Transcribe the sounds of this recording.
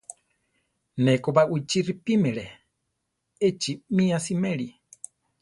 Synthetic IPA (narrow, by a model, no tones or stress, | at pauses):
nɛkobaʔuit͡ʃiripimɛɺe | et͡ʃimĩasimɛɺi